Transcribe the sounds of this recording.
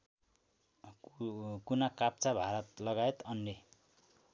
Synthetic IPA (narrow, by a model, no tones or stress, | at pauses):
kunakap̚t͡sabʱaɾʌt̪lʌɡaet̪ʌnːe